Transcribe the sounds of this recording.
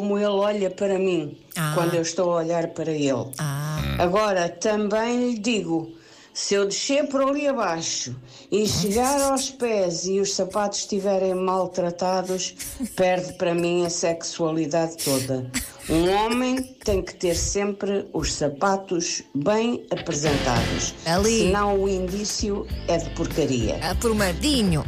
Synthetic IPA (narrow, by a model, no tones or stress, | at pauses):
komuelˠɔʎɐpɐɾɐmĩ | kwɐ̃nd̪wewʃt̪owɐɔʎaɾpɐɾɐelˠ | ɐɣɔɾɐt̪ɐ̃mbɐ̃j̃ʎd̪iɣu | sɨewðɨʃeɾpɾɔlˠiɐβaʃu | iʃɨɣaɾawʃpɛziuʃsɐpat̪u̥ʃːt̪ivɛɾẽj̃malˠt̪ɾɐt̪aðuʃpɛɾðpɾɐmĩɐsɛkswɐlˠiðaðt̪oðɐ | ũɔmẽj̃t̪ẽj̃kɨ̥t̪eɾsẽmpɾɨuʃsɐpat̪uʒβɐ̃j̃ɐpɾɨzẽnt̪a̰ðṵʃɐlˠisɨnɐ̃w̃uĩnd̪isjuɛðɨpuɾkɐɾḭɐ̰pɔɾmɐɾðiɲu